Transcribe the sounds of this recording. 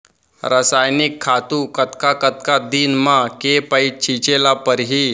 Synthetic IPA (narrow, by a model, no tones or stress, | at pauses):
ɾəsajnikʰːat̪uːkət̪kakət̪kad̪iːnmakepəit͡ɕʰit͡ɕelapəɾɦiː